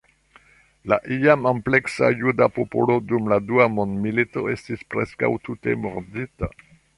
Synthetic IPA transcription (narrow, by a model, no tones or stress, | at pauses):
laʔiamample̞ksa̰judapopo̰lodumladuamondmilito̞e̞stispɾeska̰wtute̞̰moɾdita